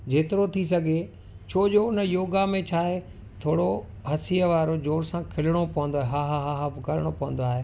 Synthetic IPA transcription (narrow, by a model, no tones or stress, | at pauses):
d͡ʑeːt̪ɪɾot̪ʰis̬ɐɡʱe | t͡ɕʰoːd͡ʑoʊnəjoːɡamẽt͡ɕʰaːɦe | t̪ʰoːɽo | ɦɐsijəʋaːɾod͡ʑoːɾsãkʰɪlɪɽ̃opɐʋə̃nd̪oaːɦeɦaːɦaɦaɦapkɐlɽ̃opɐɦə̃nd̪oaːɦeː